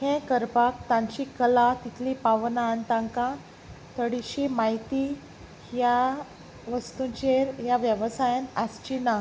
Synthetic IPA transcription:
hẽkəɾpakt̪ãɲt͡ɕikəlat̪it̪ʰlipaʋnaːnt̪ãŋkã | t̪əɽiɕimait̪i | ja | ʋəst̪uɲt͡ɕeɾjaʋjəʋsajanast͡ɕina

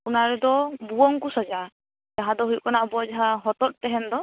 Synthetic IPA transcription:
kunaɹɛd̪ɔbuɔŋkusad͡ʒa | d͡ʒaɦãd̪ɔɦujkanabɔd͡ʒaɦãɦɔt̪ɔt̚tɛɦɛnd̪ɔ

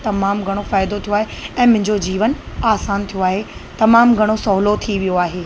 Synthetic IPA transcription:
t̪ɐmaːmɡʱɐɽ̃ofaːɪd̪ot̪ʰijoaːɦeɛ̃ːmʊ̃ɦɪ̃ɲd͡ʑod͡ʑiːʋən | aːsaːnt̪ʰijoaːɦet̪ɐmaːmɡʱɐɽ̃osɔɦlot̪ʰiʋijoaːɦeː

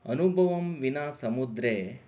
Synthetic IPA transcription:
ɐnubʱɐʋɐmʋinaːsɐmud̪ɾeː

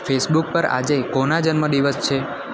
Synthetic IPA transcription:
fʰesbuk̚pəɾa̰d͡ʒekonad͡ʒənməd̪iʋəst͡ʃʰe

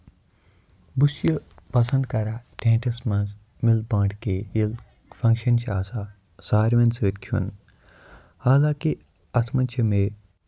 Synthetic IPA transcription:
busjɐpɐsɐ̃nd̪̚kɐɾaːʈʰẽːʈʰɐsmɐ̃nz | milbãːʈkeːil | fʰɐ̃ŋkʃɐnʃiaːsaː | saːɾmɐnsəːt̪kʰṵn | haːlaːki | ɐsmɐnt͡ʃʰɐme

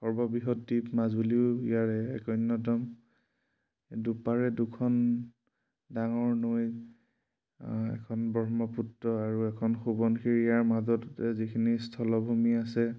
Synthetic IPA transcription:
xɔɹbɔbiɦɔtdipmazuliʊijaɹɛɛ̰kɔjnːɔtɔm | dupaɹɛdukʰɔn | daŋɔɹnoj | ɛ̰kʰɔnbɔɦmɔputɹɔaɹuɛkʰɔnxubɔnkʰiɹijaɹmazɔtɛzikʰinistʰɔlɔbʱumiasɛ

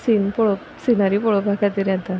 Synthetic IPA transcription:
sinpɔɭɔ | sinaɾipɔɭɔpakat̪iɾat̪a

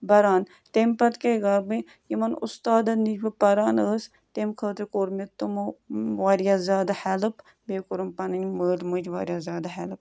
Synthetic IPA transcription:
bɐɾaːn | t̪empɐt̪keɡaɾbɨ | jimɐnʊ̰st̪aːd̪ɐnid͡ʒbɨpɐɾaːnəːs | t̪emkʰəːt̪ekoɾmet̪umʋaːɾjaːzʲaːd̪ahɛlɨp | beːkoɾumpɐnɐnʲməːlmɨd͡ʒʋa̰ːɾjaːzʲaːd̪aɦɛlɨp̚

